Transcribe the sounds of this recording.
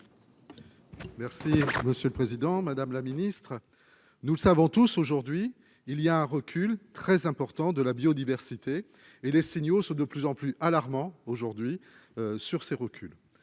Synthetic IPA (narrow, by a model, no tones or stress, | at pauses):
mɛʁsiməsjøləpχezid̪ɑ̃mad̪amlaminist̪χ | nuləsavɔ̃t̪usoʒuʁd̪ɥiː | lijaɛ̃ʁəkʲylt̪χɛzɛ̃pɔʁt̪ɑ̃d̪əlabjod̪ivɛʁsit̪eː | lesiɲjosɔ̃d̪əplyzɑ̃plyʔalaʁmɑ̃oʒuʁd̪ɥi | syʁseʁəkʲyl